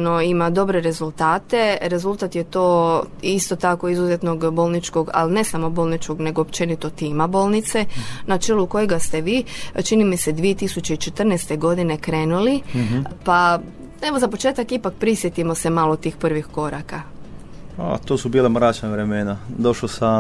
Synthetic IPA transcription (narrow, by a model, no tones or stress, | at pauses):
no̞imad̪o̞bɾe̞ɾe̞zult̪aːt̪e̞ɾe̞zulˠt̪at̪jet̪o̞ːist̪o̞t̪ako̞izuzet̪no̞ɡbo̞lˠnit͡ʃko̞ɡa̰lne̞samo̞bo̞ːlˠnit͡ʃko̞ɡne̞ɡoːpt͡ʃe̞nit̪o̞t̪iːmabo̞lˠnit̪se̞nat͡ʃeluko̞jeɡast̪e̞ʋiːt͡ʃinimise̞d̪ʋie̞t̪isut͡ɕe̞it͡ʃe̞t̪r̩nest̪e̞ɡo̞d̪ine̞kɾe̞ːnulipa | e̞ʋozapo̞t͡ʃe̞ːt̪akipak̚pɾisjet̪imo̞se̞malˠot̪iːxpr̩ʋixko̞ɾaka | a̰t̪oːsubiːlˠamɾaːt͡ʃnaʋɾemenad̪o̞ʃlosa